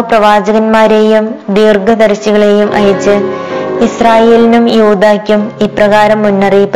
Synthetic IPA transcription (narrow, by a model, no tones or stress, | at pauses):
prɐʋaːd͡ʑɐɣɐnmaːɾeːjumd̪iːrɡʱɐd̪ɐrɕiɣɐɭe̞ːjumʔɐ̰jɐt͡ɕːɨisraːjeːlinumjuːd̪aːkʲːumiːprɐɣaːɾɐmːunːɐrijpː